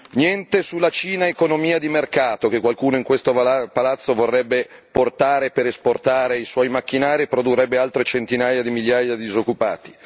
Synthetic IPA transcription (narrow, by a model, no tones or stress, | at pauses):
njɛnt̪esulːat͡ʃiːnaekonomiːad̪imerkaːt̪ok̟ekːwalkuːnoiŋkwest̪opalat̪sːovorːɛbːeport̪aːɾepeɾesport̪aːɾeiswɔjmak̟ːinaːɾiepɾod̪urːɛbːealt̪ɾet͡ʃent̪inaːjad̪imiljaːjad̪id̪izokːupaːt̪i̥